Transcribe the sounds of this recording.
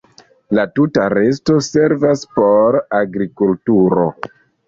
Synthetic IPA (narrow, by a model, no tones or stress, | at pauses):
latutaɾe̞s̬to̞se̞ɾvaspo̞ɾaɡɾikultuɾo̞̰